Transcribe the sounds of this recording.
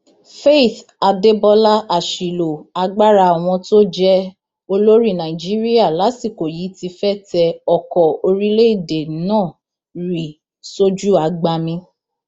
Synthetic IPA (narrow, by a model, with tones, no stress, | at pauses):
fe˦˨θa˨de˦bɔ˧la˦ʔa˨ʃi˨lo˨a˧ɡ͡ba˦ɾa˧˨w̃ɔ̃˧to˦d͡ʒɛ˦ | o˧lo˦ɾi˦˨nã˨ĩ˨d͡ʒi˦ɾi˦a˦˨la˨˦si˦˨ko˨ji˨˦ti˧fɛ˦˨tɛ˧ɔ˨kɔ˨o˧ɾi˦le˦i˦˨de˨˦nãː˦˨ | ɾi˨ | so˦d͡ʒu˦a˨ɡ͡ba˧mĩ˧